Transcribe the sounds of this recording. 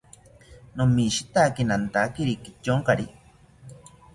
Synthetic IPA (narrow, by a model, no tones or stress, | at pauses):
nomiʃit̪akenant̪akeɾikit͡ʃoŋkaɾi